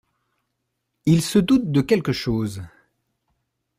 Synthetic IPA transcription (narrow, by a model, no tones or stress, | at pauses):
ilsəd̪ut̪̚d̪əkʲɛlkəʃoːz